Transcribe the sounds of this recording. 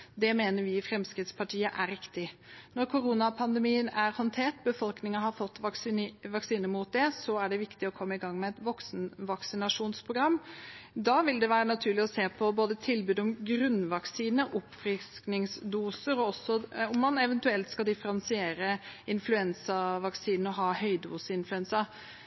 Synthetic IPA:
d̪ɛmeːnəɾʋɪːfɾɛmskɾɪːt̪spʰɑʈʰiːəʔæɾɪkt̪ɪnɔɾkʰʊɾuːnɑpʰɑnd̪ɛmiːənæɾhɔnt̪ʰeːʈbəfɔlknɪŋhɑɾfɔt̪ːʋɑksiːnəɾmuːt̪̚d̪ɛsɔæɖɛʋɪkt̪ɪɔkʰɔmːəɪɡɑŋːmɛɛt̪ʋɔksnʋɑksɪnɑʂuːnspʰɾʊɡɾɑmːd̪ɑːʋɪld̪ɛʋæːɾənɑt̪ʰʉːɭɪɔseːpʰɔboːd̪ət̪ʰɪlbʉːd̪ɔmɡɾʉnːʋɑksiːnəʔʊpːfɾɪsknɪŋsd̪uːsəɾɔɔsːɔʊmːɑnɛʋɛnt̪ʉɛlt̪skɑld̪ɪfəɾɑnsɪeːɾəɪnflʉɛnsɑʋɑksiːnn̩ɔɦɑːhœʏd̪uːsəɪnflʉɛnsɑ

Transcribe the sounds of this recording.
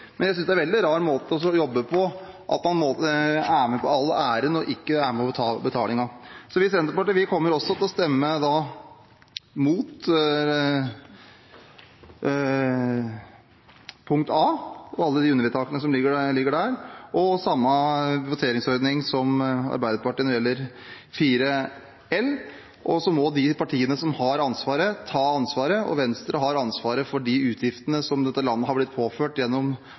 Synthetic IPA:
mɛnjæɪsʏnsd̪æɾʋɛld̪ɪɾɑːɾmoːt̪əɔsɔjɔbːəpʰɔ | ʔɑ̰t̪mɑnmoːt̪əæːɾmɛpʰɔɑlːæːɾənɔʔɪkːəæːɾmɛpʰɔt̪ʰɑbət̪ʰɑ̰ːlɪŋɑsɔʋɪsɛnt̪əɾpɑʈəʋɪkʰɔmːəɾɔsːɔt̪ɪlɔst̪ɛmːəd̪ɑ | muːt̪ | pʰʊŋk̚t̪ɑːɔɑlːəd̪ɪʉnːəɾɪt̪ʰɑːkənəsɔmlɪɡːəlɪɡːəɖæːɾʔɔsɑmːəʋʊt̪ʰeːɾɪŋsɔɾd̪nɪŋsɔmɑ̰ɾbæɪd̪əpɑʈiːnɔɾjɛlːəɾ | fiːɾə | ɛlː | ʔɔsɔmɔd̪ɪpʰɑʈʰiːənəsɔmhɑɾɑnsʋɑːɾət̪ʰɑːɑnsʋɑːɾəʔɔ̰ʋɛnst̪ɾʔəɦɑɾɑnsʋɑːɾəfɔɖɪʉːt̪ʰjɪft̪ənəsɔmd̪ɛt̪ːəlɑnːəɦhɑɾblɪt̪̚pʰoːføːʈjɛnːɔm

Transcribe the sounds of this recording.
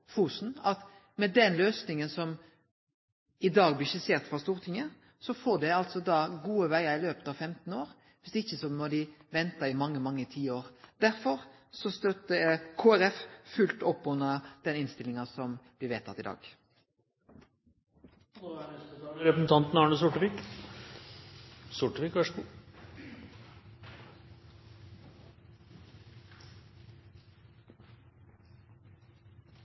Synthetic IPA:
fuːsn̩ɑt̪ | mɛd̪ɛnløːsnɪŋənsɔm | ɪd̪ɑːɡblɪʃɪseːʁt̪fɾɑst̪uːɾt̪ʰɪŋə | sɔfoːd̪ɛɪɑlt̪sɔd̪ɑːɡuːəʋæɪɑɾɪløːpə̥t̪ɑʋfɛmt̪n̩oːɾ | ʋɪsd̪ɛɪçːəsɔmɔd̪ɪʋɛnt̪ɑɪmɑŋːəmɑŋːət̪ʰiːoːɾd̪æɾfɔɾsɔst̪œt̪ːəkʰoːæɾɛffʉlt̪ɔpːʉnːəd̪̥ɛnɪnst̪ɪlɪŋɑsɔmbliːʋeːt̪ʰɑt̪ːɪd̪ɑ̰ːɡ̥ | ɛɾɛpɾəsn̩t̪ʰɑnt̪n̩ɑːɳəsʊʈəʋiːk | sʊʈəʋikhøʂku

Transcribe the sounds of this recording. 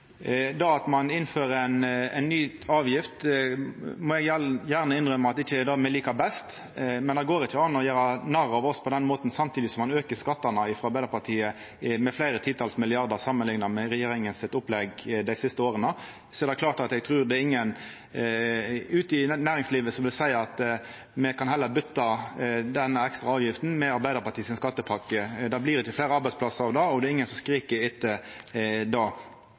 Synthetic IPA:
d̪ɑɑt̪mɑnɪnføːɾəɛnɛ̰ɪnːyːɑːʋjɪft̪ | mɔjɛɡjæʁnəɪnʁœməɑt̪ɪçːəɛd̪ɑmɛliːkɑbɛst̪ | mɛnɑɡoːɾɪçːəɑnɔɔjøːɾɑnɑɾɑʋɔspʰɔd̪ɛnmoːt̪n̩sɑmt̪ʰiːd̪ɪsɔmːɑnøːkəskɑt̪ːɑnəɪfɾɔɑɾbæɪd̪əɾpɑt̪ʰiːə | mɛflæɪɾət̪ʰɪt̪ʰɑːlsmɪlɪɑʁd̪əɾsɑmːənlɪŋnɑmɛɾɛjeːɾɪŋənsɪt̪ʊplɛɡd̪æɪsɪst̪əoːɾənə | sɔɛʁɾd̪ɛkʰlɑːʁɾt̪ɑt̪ɛɡ̚t̪ʰɾʉːɾd̪ɛɪŋːən | ʉːt̪ɪnæːɾɪŋsliːʋəsɔʋɪlsæɪɑt̪ | mɛkʰɑnɦɛlːəɾbʏt̪ːɑd̪ɛnːəɛkst̪ɾɑɑːʋjɪft̪n̩mɛɑɾbæɪəɾpɑt̪iːsɪnskɑt̪ːəpʰɑkːəd̪ɑbliːɾɪt̪ʰəflæɪɾəɑɾbæɪspʰlɑsəɑʋd̪ɑɔd̪ɛɪŋːənsɔmskɾiːkəɾɪt̪ːə | d̪ɑ

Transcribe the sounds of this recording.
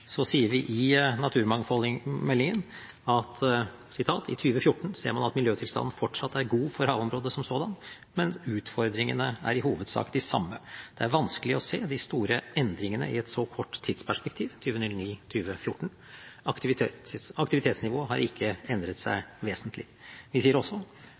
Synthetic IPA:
sɔsiːəɾʋɪʔɪnɑt̪ʰʉːɾmɑŋfɔlmɛlːɪŋən | ɑt̪ | sɪt̪ʰɑːt̪ʰɪt̪ʰyːʋəfjʊʈːɳ̩sḛːɾmɑnɑt̪mɪljøːt̪ʰɪlst̪ɑ̰nn̩fɔʈʂɑt̪ːæɾɡuːfɔɾhɑːʋɔmɾoːd̪əsɔmsoːd̪ɑn | mɛnʉːt̪fɔɾd̪ɾɪŋənəæ̰ɾɪhuːʋəd̪sɑ̰ːkd̪ɪsɑ̰mːəd̪̥ɛæɾʋɑnskəlɪɔseːd̪ɪst̪uːɾəɛnd̪ɾɪŋənə̰ɪɛt̪sɔkʰɔʈːt̪ʰːiːd̪spæʂpɛkt̪ʰiːʋt̪ʰyːʋənʏlniːt̪ʰyːʋəfjʊʈːɳ̩ | ɑkt̪ɪʋɪt̪ʰːɑkt̪ɪʋɪt̪ʰeːt̪snɪʋoːɦɑɾʔɪkʰːəɛnd̪ɾət̪sæ̰ɪʋeːsənt̪ʰlɪ | ʋɪsiːəɾɔsːɔ

